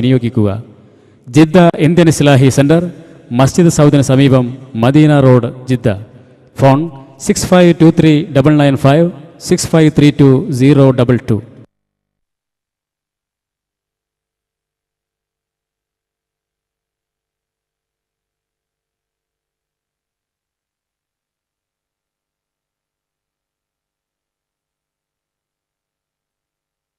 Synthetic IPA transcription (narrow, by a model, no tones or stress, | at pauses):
nijo̞ːɡikʲːuɣɐ̰ | d͡ʑid̪ːɐind̪jɐnisilaːɦiseɳɖɐr | mɐsd͡ʑid̪sɐwt̪inɐsɐmiːbɐmːɐd̪iːnaɾo̞ːɖd͡ʑid̪ʱːɐ̰ | fʰoːɳsikspʰɐjʋʈuːt̪ʰɾiːɖɐbɐlnɐjnpʰɐjʋsikspʰɐjʋt̪ʰɾiːʈuːziːɾoːɖɐbɐlʈṵː